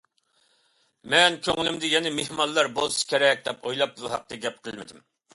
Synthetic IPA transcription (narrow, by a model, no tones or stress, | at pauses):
mɛnkʲʰøŋɪlymd̪ɪjɛnɪmehmɑnlːˠɑɾbolˠsɨ̥kʲeɾɛk̚ʲd̪ɛpojlˠɑp̚b̪uɦɑ̰q̚t̪ʰɨɡʲɛp̚qʰəlˠmɪd̪ɪm